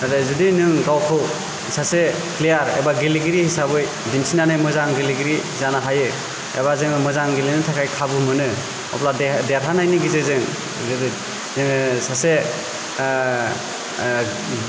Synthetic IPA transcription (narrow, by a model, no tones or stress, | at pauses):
adezɯdinɯŋɡawkʰɯw | sʰase | klejaɾḛbaɡiliɡiɾihisabɯj | dinsinanɯjmɯzaŋɡiliɡiɾizanaɦajɯ | ḛbazɯŋmɯzaŋɡilinɯtʰakʰajkʰabɯmɯnɯ | ɔ̰pladeaɾɦanajniɡizɯzɯŋ | sase